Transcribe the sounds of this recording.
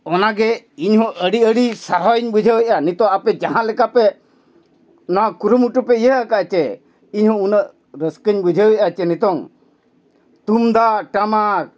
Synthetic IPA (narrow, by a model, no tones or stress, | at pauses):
ɔnaɡɛ | iɲɦɔ̃ʔəɽiəɽisaɾɔɲbud͡ʒʱəwəj̚anit̪ɔ̃ŋapɛd͡ʒaɦãlɛkapɛ | nɔakuɾumuʈupɛijəɦkaʔt͡ʃɛ | iɲɦɔ̃unəʔ | ɾəskəɲbud͡ʒʱəwjʔat͡ʃɛnit̪ɔŋ | t̪umd̪aʈama